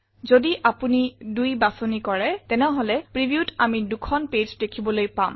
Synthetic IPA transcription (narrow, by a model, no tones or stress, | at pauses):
zodiʔapunidujbasonikɔɹɛtɛnɛɦolɛpɹibiutamidukʰɔnped͡ʒdekʰibɔlojpam